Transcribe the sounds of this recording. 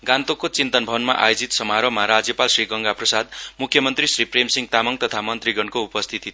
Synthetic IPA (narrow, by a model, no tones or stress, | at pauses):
ɡant̪okot͡sint̪ʌnbʱʌnmaʔa̰jod͡zit̪sʌmaɾomaɾad͡zjʌpalsriɡʌŋɡaprʌsad̪̚mukʰːjʌmʌnt̪risripremsiŋɡ̚t̪amʌŋt̪ʌt̪ʰamʌnt̪riɡʌnkoupʌst̪ʰit̪i